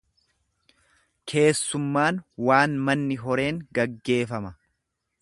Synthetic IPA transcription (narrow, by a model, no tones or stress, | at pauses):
kʰe̞ːsːʊmːaːnwaːnmɐnːɪɦɔɾe̞ːŋɡɐɡːe̞ːfɐmɐ